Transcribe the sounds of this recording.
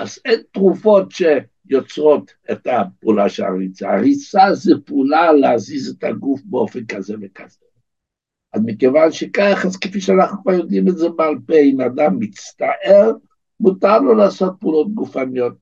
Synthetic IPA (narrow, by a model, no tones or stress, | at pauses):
ʔazentʁufo̞tʃe | jot͡sʁo̞t̪ | etapuːlaʃela̰ʁit͡sa̰aʁit͡sazɛpuːlaleazizetʰaɡufbeo̞fenkazevekaz̥e | azmikevanʃekaχazkefiʃɛanaχnukvaʁjo̞d̪imetzebealpeimad̪amːit͡st̪aʔeʁ | mut̪aʁlolaːso̞t̚puːlo̞t̪̚ɡufanijo̞t̪̚